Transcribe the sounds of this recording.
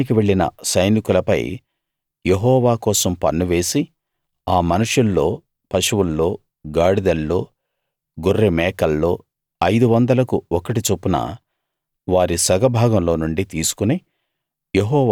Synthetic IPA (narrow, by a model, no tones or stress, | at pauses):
ikiʋe̞ɭːinɐ̰sɐjnikulɐpɐ̰j | jeɦɔːʋaːkɔːsɐmpɐɳːuʋe̞ːsi | aːmɐnuʂulːo̞ː | pɐʃuʋulːo̞ː | ɡaːɽid̪ɐlːo̞ː | ɡurːemɛːkɐlːo̞ː | ɐjd̪uʋɐnd̪ɐlɐkuɔkɐʈit͡ʃopːunɐ̰ | ʋaːɾisɐɡɐbʱaːɡɐmlo̞ːnuɳɖit̪iːsu̥kune | jeɦɔːʋ